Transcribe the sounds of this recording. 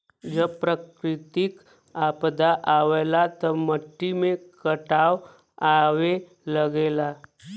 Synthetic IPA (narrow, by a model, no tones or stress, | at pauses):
d͡ʒəbpɾəkɾɪt̪ik | apd̪aʔaʋelat̪ɔməʈːimẽkəʈaːw | aʋe | ləɡela